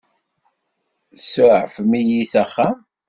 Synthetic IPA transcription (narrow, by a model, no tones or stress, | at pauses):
sʊʕfmijisæχːæ